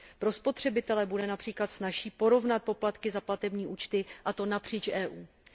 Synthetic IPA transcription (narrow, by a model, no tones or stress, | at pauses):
pɾo̞spo̞t̪r̥ɛbɪt̪ɛlɛbudɛnapr̥iːklat̪snaʃiːpo̞ɾo̞vnat̪̚po̞plat̪kɪzaplat̪ɛbɲiːʔuːt͡ʃt̪ɪʔat̪o̞napr̝̥iːt͡ʃʔɛːʔuː